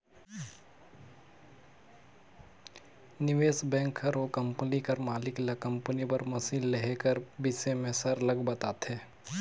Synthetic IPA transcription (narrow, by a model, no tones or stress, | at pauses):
nɪʋeːsbɛ̃ːŋkʰːɐɾokɐ̃mpənikɐɾmaːlɪklɐkə̃mpənipəɾmɐsiːlleɦekəɾbɪsemẽsɐɾləɡbɐt̪aːt̪ɦeː